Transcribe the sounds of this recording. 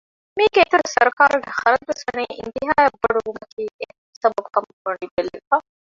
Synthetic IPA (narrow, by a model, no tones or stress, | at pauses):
miːɡeːt̪uɾusɐɾukaːɾuɡeχɐɾɐd͡ʒusɐneːʔḭnt̪iɦaːjɐbːɐɖuʋumɐkiːe | sɐbɐbukɐmmɐɳib̪elːefɐ